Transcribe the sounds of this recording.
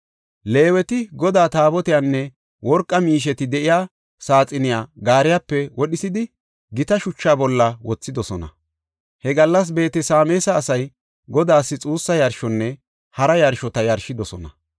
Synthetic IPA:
le̞ːwɛt̪ɪɡɔd̪aːt̪aːbɔt̪ɪjanːɛ | wɔɾkʼːɐmiːʃ̬ɛt̪ɪd̪ɛʔɪjaː | saːt͡sʼɪnɪjaːɡaːɾɪjapːɛwɔɗɪsɪd̪ɪ | ɡɪt̪ɐʃʊt͡ʃːaːbɔlːɐwɔt͡sːɪd̪ɔsɔnɐ | hɛɡɐlːɐs̬be̞ːt̪ɛsaːmeːsɐːsɐj | ɡɔd̪aːsːɪt͡sʼuːsːɐjɐɾʃɔnːɛ | hɐɾɐjɐɾʃɔt̪ɐjɐɾʃɪd̪ɔsɔnɐ

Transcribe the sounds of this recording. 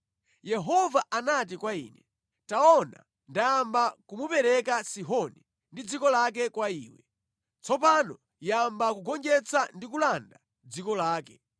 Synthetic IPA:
jɛɦɔvaʔanat̬ikwaḭːnɛ | taɔna̰ | ndajambakumupɛɾɛkasiɦɔni | ndid͡zikɔlak̬ɛkwaiːwɛ | t͡sʰɔpanɔ | jambakuɡɔnd͡ʒɛt͡sʰandikulanda | d͡zikɔlaːkɛ

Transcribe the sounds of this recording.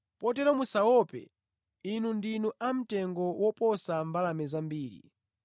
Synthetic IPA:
pɔtɛɾɔmusawɔpɛ̰ | inundinuʔam̩tɛŋɡɔwɔpɔsambalamɛzambiːɾḭ

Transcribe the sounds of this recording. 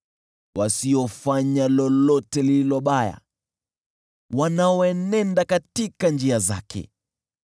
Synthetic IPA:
wasiɔfaɲalɔlɔtɛlililɔɓaja̰ | wanaɔɛnɛndakatikand͡ʒiaza̰kʰɛ̰

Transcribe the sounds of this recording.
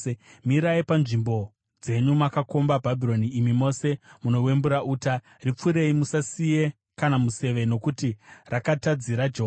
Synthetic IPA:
miɾaipanʐimbo̞ | d͡ze̞ɲumakako̞mbabʱabʱiro̞niːmimo̞se̞muno̞we̞mbuɾaʔuːta | rip͡fuɾe̞imusasije̞ | kanamuse̞ʋe̞no̞kutirakatad͡ziɾad͡ʒeɦo

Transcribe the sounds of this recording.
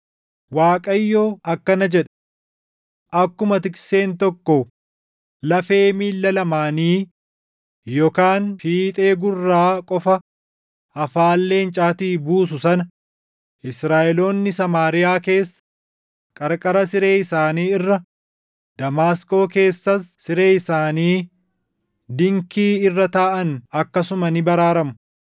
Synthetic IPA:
waːkʼɐjːo̞ːɐkːɐnɐd͡ʒɛᶑɐ̥ | ʔɐkːʊmɐt̪ɪkse̞ːnt̪ɔkːɔ | lɐfe̞ːmiːlːɐlɐmaːniː | joːkaːnfiːt̪ʼe̞ːɡʊrːaːkʼɔfɐ | ɐfaːlːe̞ːnt͡ʃʼaːt̪iːbuːs̬ʊsɐnɐ | ʔɪsɾaːʔɛlo̞ːnːɪsɐmaːɾɪjaːke̞ːsːɐ̥ | kʼɐɾkʼɐɾɐsɪɾe̞ːɪsaːniːɪrːɐ | d̪̥ɐmaːsko̞ːke̞ːsːɐsːɪɾe̞ːɪsaːniː | d̪ɪŋkiːɪrːɐt̪aːʔɐnɐkːɐsʊmɐnɪbɐɾaːɾɐmʊ

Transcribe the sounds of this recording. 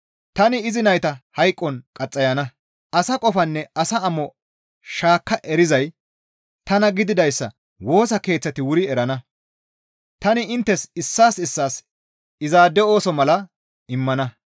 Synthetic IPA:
t̪ɐnɪɪzɪnɐjt̪ɐhɐjkʼːɔnkʼɐt͡sʼːɐjɐnɐ | ɐsɐkʼɔfɐnːɛɐsɐɐmɔ | ʃaːkːɐʔɛɾɪzɐj | t̪ɐnɐɡɪd̪ɪd̪ɐjsːɐ̰ | wo̞ːsɐke̞ːt͡sːɐt̪ɪwʊɾɪɛɾɐnɐ | t̪ɐnɪɪnt̪ːɛsɪsːaːsɪsːaːs | ɪzaːd̪ɛo̞ːsɔmɐlɐ | ɪmːɐnɐ

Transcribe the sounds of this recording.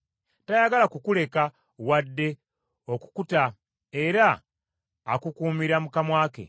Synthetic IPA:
tajaɡalakukule̞ka | wadːe̞ | o̞ku̥kuta | e̞ɾaː | kukuːmiɾamukamwaːke̞̰

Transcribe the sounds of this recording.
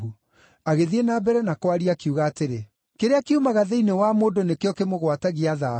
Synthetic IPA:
u | aɣeðienabɛɾɛnakwaɾiakiuɣaːteɾe | keɾeakeumaɣaðɛinewamoːdonekeɔkemoɣwataɣiaða

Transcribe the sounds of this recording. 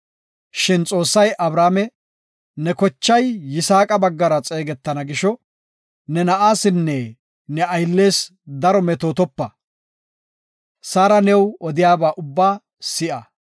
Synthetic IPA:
ʃɪnt͡sʼo̞ːsːɐjʔɐbɾaːmɛ | nɛkɔt͡ʃːɐjːɪsaːkʼɐbɐɡːɐɾɐt͡sʼe̞ːɡɛt̪ːɐnɐɡɪʃɔ | nɛnɐʔaːsɪnːɛ | nɛɐjlːe̞ːsd̪ɐɾɔmɛt̪oːt̪ɔpːɐ | saːɾɐnɛwɔd̪ɪjaːbaːʔʊbːaː | sɪʔɐ

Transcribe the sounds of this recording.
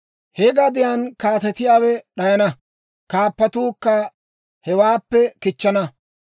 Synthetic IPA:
hɛɡɐd̪ɪjankaːt̪ɛt̪ɪjaːwɛɗɐjɐnɐ | kaːpːɐt̪uːkːɐ | hɛwaːpːɛkɪt͡ʃːɐnɐ

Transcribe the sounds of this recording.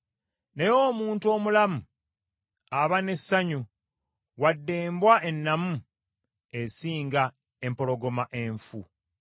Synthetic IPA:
nejoːmuːntuo̞ːmulamu | aβane̞sːaɲu | wadːe̞ːmbwaʔe̞nːamu | e̞siːŋɡa | e̞mpo̞lo̞ɡo̞maʔe̞ɱfṵ

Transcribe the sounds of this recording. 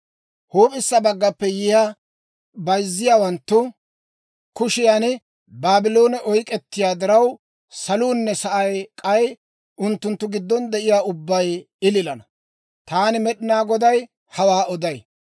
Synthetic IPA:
hoːpʼɪsːɐbɐɡːɐpːɛjɪja | bɐjzːɪjaːwɐnt̪ːʊ | kʊʃɪjanɪ | baːbɪlo̞ːnɛʔɔjkʼɛt̪ːɪjaːd̪ɪɾɐw | sɐluːnːɛsɐʔɐjkʼɐj | ʊnt̪ːʊnt̪ːʊɡɪd̪ːɔnd̪ɛʔɪjaːʊbːɐj | ɪlɪlɐnɐ | t̪aːnɪmɛɗɪnaːɡɔd̪ɐj | hɐwaːʔɔd̪ɐj

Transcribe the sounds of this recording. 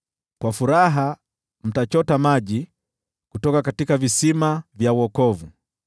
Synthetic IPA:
kwafuɾaɦa | m̩tat͡ʃɔtamaʄi | kutɔkakatikavisimavjauɔkɔvu

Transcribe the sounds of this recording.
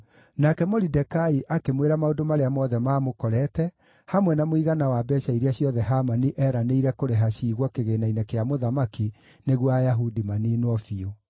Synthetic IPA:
nakɛmɔɾidɛkaiʔakemweɾamaodomaɾeamɔðɛmaːmokɔɾɛtɛ | hamwɛnamoiɣanawabɛːʃaiɾeaɕjɔðɛɦamaniʔɛːɾaneiɾɛkoɾeɦaɕiːɣwɔkeɣenainɛkeamoðamaki | neɣwajaɦudimaniːnwɔfio

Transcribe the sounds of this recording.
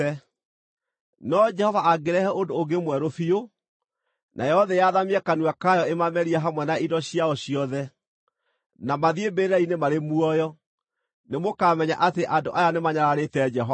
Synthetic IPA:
ɛ | nɔd͡ʒɛhɔvaaɡeɾɛhɛʔondoːɡemwɛɾofio | nʔa̰jɛɔðɛjaðamiɛkanuakajɔemamɛɾiaɦamwɛnaidɔɕiaɔɕiɔðɛ | namaðiebeɾeɾainemaɾemuɔjɔ | nemokamɛɲa̰ʔateʔandoʔajanemaɲaɾaɾetɛd͡ʒɛɦɔ

